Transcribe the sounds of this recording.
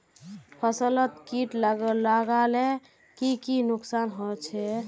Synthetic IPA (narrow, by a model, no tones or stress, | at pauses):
pʰəsələt̪kiʈlaɡəaɡale | kikinuksanɦot͡ʃʰɛ